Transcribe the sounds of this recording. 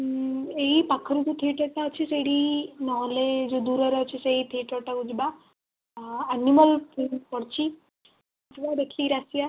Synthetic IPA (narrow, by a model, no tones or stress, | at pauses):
eipakʰəɾut̪ot̪ʰiʈəʈaət͡ʃʰiseɽinɔʋled͡ʒod̪uːɾəɾeət͡ʃʰiseit̪ʰiʈəʈaɡud͡ʒba | animəlpipɔɽt͡ʃi | ət̪ʰʋab̪ekʰliɾasija